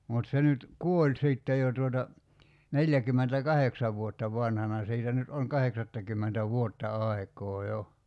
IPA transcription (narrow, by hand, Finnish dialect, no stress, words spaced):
mut se nyt kuolʲ siˑtːe jo tuotɑ neljækymːentækɑheksɑʋ ʋuotːɑ ʋɑnhɑnɑ siːtæ nyt oŋ kɑheksɑtːɑkymːentæ ʋuotːɑ ɑi̞kˑoː jo